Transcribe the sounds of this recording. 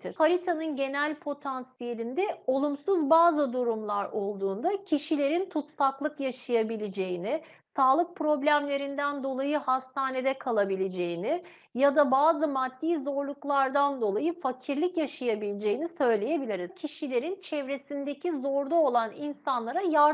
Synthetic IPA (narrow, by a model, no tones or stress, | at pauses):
t̪ʰiɾfaɾʲit̪ʰanɯnɟe̞nælʲpʰo̞t̪ʰansije̞lʲind̪ɛo̞lˠumsuzbaːzɯd̪uɾumlˠaɾo̞lˠd̪uːnd̪acʰiʃilʲe̞ɾint̪ʰut̪saklˠɯkjaʃajabilʲed͡ʒe̞jinɪ | saːlˠɯk̚pɾo̞blʲæmlʲe̞ɾind̪ænd̪o̞lˠajɯhast̪aːne̞d̪ɛkʰalˠabilʲed͡ʒe̞jinɪ | jad̪abaːzɯmad̪ːiːzo̞ɾlˠuklˠaɾd̪and̪o̞lˠajɯfacʰiɾlʲicjaʃajabilʲed͡ʒe̞jinisø̞jlʲe̞je̞bilʲiɾicʰiʃilʲe̞ɾint͡ʃʰɛvɾe̞sind̪ecʰizo̞ɾd̪ˠao̞lˠaninsanlˠaɾajaɾ